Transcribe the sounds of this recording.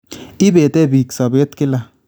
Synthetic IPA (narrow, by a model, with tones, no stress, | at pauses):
ɪ˦bɛ˨tɛ˦bi˨ksa˨bɛ˦tkɪ˦la˨